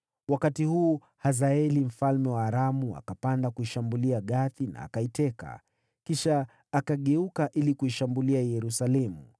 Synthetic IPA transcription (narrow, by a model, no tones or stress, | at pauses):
wakatihuː | hazaɛlim̩falmɛwaːɾamua̰kapandakuiʃambuliaɠaθina̰ːkaitɛka̰ | kiʃaː | kaɠɛukaʔilikuiʃambuliajɛɾusalɛmu